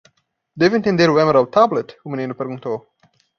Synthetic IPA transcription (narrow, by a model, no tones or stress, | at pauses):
d̪ɪvɪ̃nt̪ɪ̃nd̪eɾwɛ̃məɾawt̪ʰablət̪humnenupɛɾɡũnt̪o